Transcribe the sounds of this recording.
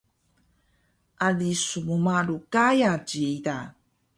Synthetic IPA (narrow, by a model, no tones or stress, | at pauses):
ʔalisumumaɾukajaɟiita